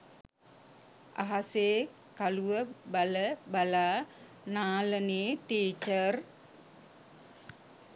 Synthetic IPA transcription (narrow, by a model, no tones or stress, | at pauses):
ʔa̰ɦase | kaluəbaləbala | nalənitit͡ʃər